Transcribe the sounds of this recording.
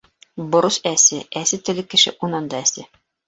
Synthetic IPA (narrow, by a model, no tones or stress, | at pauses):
bŏɾɤsæsɘæsɘt̪ɘ̆lɘkːɘ̆ʃɘ̰ʔunɑnd̪ɑæsɘ